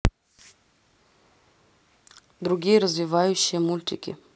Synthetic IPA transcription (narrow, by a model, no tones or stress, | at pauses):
d̪ɾuɡʲijeɾazvʲivajuɕːiemulʲt̪ʲikʲḭ